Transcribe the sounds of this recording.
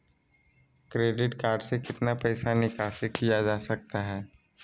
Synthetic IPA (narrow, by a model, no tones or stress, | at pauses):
kɾeːɖɪʈkaːɾɖsekɪt̪napɛːsanɪkaːʃɪkijad͡ʒaːsɐk̚t̪aɦɛː